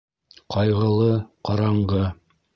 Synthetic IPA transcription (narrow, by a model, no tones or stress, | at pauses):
qʰɑjʁɤ̆lˠɤqɑɾɑɴʁɤ